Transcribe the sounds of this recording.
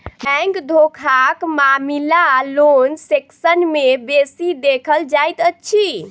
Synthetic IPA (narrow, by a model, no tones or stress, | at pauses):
bɛ̃ŋkd̪ʱokʰakmamilalonseksənmebesid̪ekʰəld͡ʒajt̪ətːʃʰi